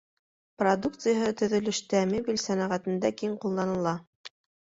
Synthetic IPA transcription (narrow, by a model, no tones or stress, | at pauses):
prɐd̪uk̚t̪sɨjaɦɤt̪ɵ̆ðɵ̆lɵ̆ʃt̪æmibilʲsænæʁæt̪ɘ̆nd̪ækiɴqulˠːɑnɤ̆lˠɑ